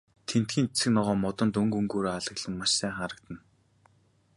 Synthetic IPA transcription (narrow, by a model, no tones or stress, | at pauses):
t̪ʰen̥t̪ɡʲiːnt͡sʰɘ̆knɔʁɔːmɔt̪ɞ̆nt̪ɵŋɡɵŋɡoːɾoːaɮə̆ɣɮə̆nmaʃsæːχaːɾə̆k̚t̪ə̆n